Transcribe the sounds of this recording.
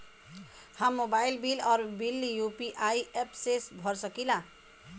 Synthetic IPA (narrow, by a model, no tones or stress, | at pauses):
hãmːobailbilʌɾbilːijupiʔajepsesbʱʌɾsʌkilã